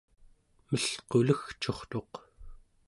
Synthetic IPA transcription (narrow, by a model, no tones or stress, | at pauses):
məɬqoləxt͡ʃo̞χt̪o̞q